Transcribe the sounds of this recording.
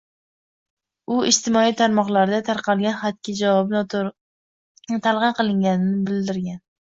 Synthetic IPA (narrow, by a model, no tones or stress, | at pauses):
ʊɪʃt̪ʰɪmɒijt̪ʰaɾmɒqlˠaɾd̪at̪ʰaɾqʰɑlˠɡʲanχat̪̚kʲʰad͡ʒavɒbn | nɪt̪ʰalˠʁɨnqɨlˠɪŋɡʲanɪnɪbɪld̪ɪɾɡʲan